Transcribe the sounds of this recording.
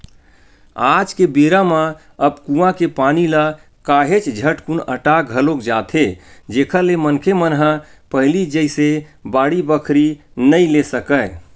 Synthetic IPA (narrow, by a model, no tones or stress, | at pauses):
ad͡ʒkebeɾamə | əbkũãkepanila | kaɦet͡ʃd͡ʒʱəʈkunə̰ʈaɡʱəlokd͡ʒat̪ʰed͡ʒekʰəlemənkʰemənɦə̃pəɦlid͡ʒəjsebaɽibəkʰɾinəjlesəkə